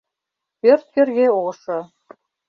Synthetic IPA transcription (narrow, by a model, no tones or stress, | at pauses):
pørt̪̚kɘ̆rɣeoʃɤ̆